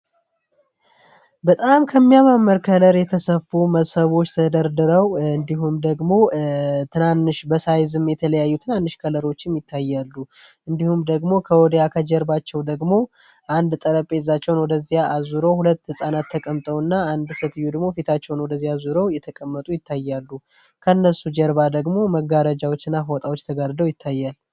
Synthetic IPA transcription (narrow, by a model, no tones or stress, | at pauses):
bət̪ʼamkʰəmːijamamːəɾkʰələɾjɛt̪ʰəsəfuməsəβo̞t͡ʃːt̪ʰəd̪əɾd̪ɨɾəwɨnd̪iɦumd̪əɡmo̞t̪ʰɨnanːɨʃbəsajzɨmːjɛt̪ʰələjajːut̪ʰɨnanːɨʃkʰələɾo̞t͡ʃːɪmjɪt̪ʰːajːalːuʔɨnd̪ihumd̪əɡmo̞kʰəwɔd̪jakʰəd͡ʒɛɾbat͡ʃːɛwd̪əɡmo̞ | ʔand̪t̪ʼəɾəpʼezat͡ʃːɛwnwɔd̪əzːijaazuɾo̞hulət̪ːhɨsʼanat̪ːəkʼəmt̪ʼəwɨnːaand̪sət̪jud̪əɡmo̞fit̪ʰat͡ʃːɛwnwɔd̪əzːijazuɾowjɛt̪ʰəkʼəmːət̪ʼujɪt̪ːajːalːu | kʰənːəsːud͡ʒɛɾbad̪əɡmo̞məɡːaɾəd͡ʒawot͡ʃːɨnːaɦwɔt̪ʼawo̞t͡ʃːt̪ʰəɡaɾd̪əwjɪt̪ʰːajːal